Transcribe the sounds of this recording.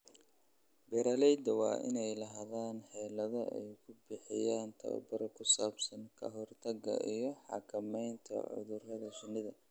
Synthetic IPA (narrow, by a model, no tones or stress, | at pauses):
bɛɾɐlɛjd̪ɐwɑ̰ːʔɪ̰nɛjlɐɦaðaːnħɛːlɐðɐʔɛ̰jkʰʊbɪħɪjaːnt̪ʰɐ̰wɐ̰bɐɾɐkʰʊsaːbsɐŋkʰɐ̰ɦɔrt̪ʰɐɡɐ̰ʔijɞħɑ̰kʰɐmɛjnt̪ʰɐ̰ʕʊ̰ðʊrɐðɐʃʊnɪðɐ